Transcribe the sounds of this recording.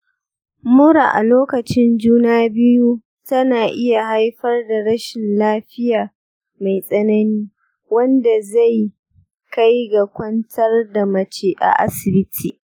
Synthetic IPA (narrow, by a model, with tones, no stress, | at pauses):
mʊ˦ɽa̰˨ʔa̰˨loː˦kɐ˨t͡ʃɪ˦nd͡ʒuː˦naː˦bɪ˦ju˦ | tɐ˦naː˨ʔɪ˦ja˨ɦa˦jɸɐ˦rda˨ɽɐ˦ʃɪ˨nlaː˦ɸɪ˦jaː˨ | ma˨jsʼɐ˦nɐ˦niː˦ | wɐ˦nda˨za˦˨j | ka˦jɡa˨kʷɐ˦ntʰɐ˦rda˨mɐ˨t͡ʃeː˦ʔa̰˨ʔa̰˦sɪ˨bɪ˦tʰiː˨